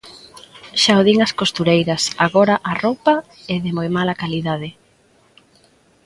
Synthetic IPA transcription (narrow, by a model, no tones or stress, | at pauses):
ʃawðiŋɐskost̪uɾejɾɐsaɣɔɾɐʔaropɐ | ɪðɪmojmalɐkaliðað̞ɪ